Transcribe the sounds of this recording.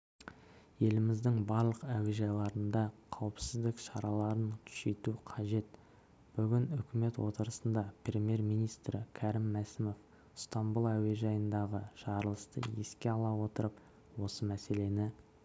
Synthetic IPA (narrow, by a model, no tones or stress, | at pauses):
je̞lɪmɪzd̪ɪŋbɑɾlˠəqæweʒɑjlˠɑɾənd̪ɑqʰɑwəpsɪzd̪ɪkʃɑɾɑlˠɑɾənt̪ʰʏ̥ʃe̞jt̪uqʰɑʒe̞t̪ | b̥ʏɡʲɪnʏkʲɪme̞t̪wo̞̰t̪əɾəsənd̪ɑprʲe̞mʲje̞ɾmijnijst̪ɾɪkʲʰæɾɪmːæsɪmo̞f | st̪ɑmbulˠæwe̞ʒɑjənd̪ɑʁəʒ̥ɑɾəlˠəst̪ə̰jeskʲe̞ɑlˠɑwo̞t̪əɾəp | wo̞səmæse̞le̞nɪ